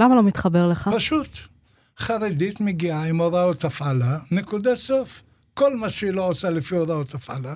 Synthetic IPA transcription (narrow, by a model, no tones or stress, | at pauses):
lamalo̞mit̪χabe̞ʁleχapaʃut̪ | χaʁed̪it̪meɡiaimoɾaot̪afalanekud̪asof | ko̞lmaʃeiloosalefioɾaot̪afa̰la